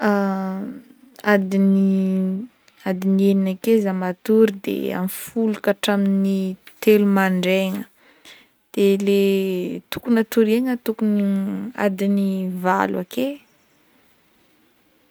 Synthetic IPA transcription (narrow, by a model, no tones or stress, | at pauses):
a | ad̪ini | ad̪inieninakezamat̪uɾid̪ḛa̰mfulukaʈ͡ʂaminit̪elumaɳɖ͡ʐeŋə | d̪̥elet̪ukunat̪uɾeŋət̪ukunia̰d̪iniva̰lwake